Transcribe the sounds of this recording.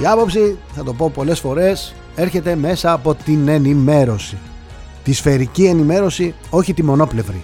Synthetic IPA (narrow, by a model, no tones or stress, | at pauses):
iɐpo̞psiθɐt̪o̞po̞po̞le̞sfo̞ɾe̞s | e̞ɾçe̞t̪e̞me̞sɐːpo̞t̪ine̞nime̞ɾo̞si | t̪isfe̞ɾicienime̞ɾo̞si | o̞çit̪imo̞no̞ple̞vɾḭ